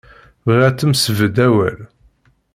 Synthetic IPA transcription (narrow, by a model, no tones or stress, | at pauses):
vʁæt͡s̪ːəmsəvəd̪æwæ̰l